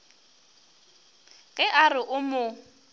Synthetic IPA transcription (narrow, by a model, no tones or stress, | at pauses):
ɣɛʔarɪʔʊmʊ